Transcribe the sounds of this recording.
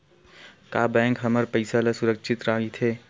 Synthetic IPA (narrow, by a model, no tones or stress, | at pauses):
kaːbɛ̃ːŋkɦɐməɾpəɪsalasʊɾəkʃʰɪt̪ɾaːɡit̪ʰeː